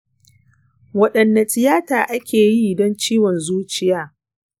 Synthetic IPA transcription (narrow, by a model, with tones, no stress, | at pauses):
wɐ˦ɗɐ˨nːa˨tʼɪ˨jaː˦taː˨ʔa˦kʲeː˨ji˦˨dɔ˦nt͡ʃiː˦wɔ˨nzuː˦t͡ʃɪ˦jaː˦